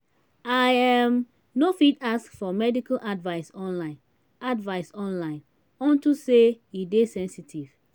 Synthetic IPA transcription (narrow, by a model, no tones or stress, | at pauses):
ajam | nofitaskfɔmɛdikalʔadvaɪsɔ̃nlãɪ̃n | advaɪsɔ̃nlãɪ̃n | ɔ̃ntuse | idesɛ̃nsitʰiv̥